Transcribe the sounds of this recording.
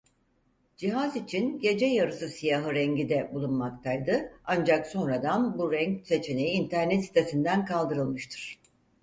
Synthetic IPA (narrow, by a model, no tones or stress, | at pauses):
d͡ʒiɦazit͡ʃʰinɟe̞d͡ʒɛjaɾɯsɯsijaɦɯɾɛɲɟid̪ɛbulˠunmakt̪ʰajd̪ɯand͡ʒakso̞nɾad̪anbuɾɛɲcse̞t͡ʃʰe̞ne̞jiːnt̪ʰæɾnɛt̪si̥t̪ʰe̞sind̪ænkʰalˠd̪ɯɾɯlˠmɯʃt̪ʰɯ̥ɾ̥